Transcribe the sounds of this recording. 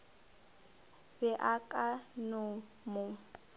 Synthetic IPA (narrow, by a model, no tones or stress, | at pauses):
bɛʔakʼanʊ | mʊŋ̩